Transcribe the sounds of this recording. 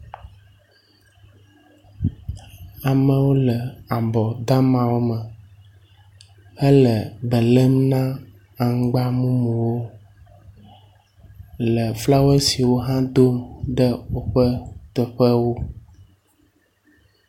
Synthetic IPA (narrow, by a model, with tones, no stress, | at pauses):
a˨mə̃˨wo˦lə˨a˨bɔ˨d̪a˦mã˨wo˦mə˨ | ə˦lə˨bə˨lə˦mnã˦ | a˨ŋ˦ɡ͡ba˦mũ˦mũ˨wo˦ | lə˨fla˦we˦si˨wo˦ɦã˦d̪o˦mɖə˦wo˦ɸə˦t̪ə˨ɸə˦wo˦